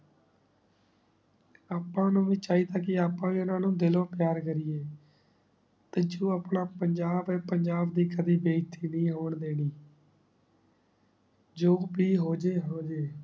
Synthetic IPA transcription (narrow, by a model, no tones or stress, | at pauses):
aːpːãːnũːʋiːt͡ʃaːiːd̪aːkɪaːpːãːiːʊnãːnũːd̪ɪlõːpɪjaːɾkəɾiːeː | t̪eːd͡ʒoːaːpɳaːpəɲd͡ʒaːbɛːpəɲd͡ʒaːbd̪iːkəd̪iːbeːt̪ʰiːnĩːɦoːɳd̪eːɽiː | d͡ʒoːbiːɦoːd͡ʒeːɦoːd͡ʒeː